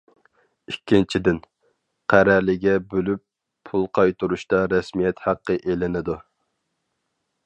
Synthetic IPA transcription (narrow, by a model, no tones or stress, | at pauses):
ikʲːint͡ʃʰid̪ɪn | qʰæɾæɾlɪɡʲɛbølypʰː | ulˠqʰɑjt̪ʰuɾuʃt̪ɑɾɛsmijɛt̪hæqːəʔelɪnɪd̪u